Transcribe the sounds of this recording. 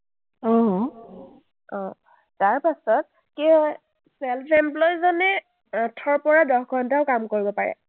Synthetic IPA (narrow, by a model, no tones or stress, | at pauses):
ɔ̃ | ɔ̃ | taɹpasɔt̚ | ke | sɛlpʰemplɔjzɔnɛ | atʰːɔɹpɔɹadɔxɡʱɔntaʊkamkoɹibɔpaɹɛ̰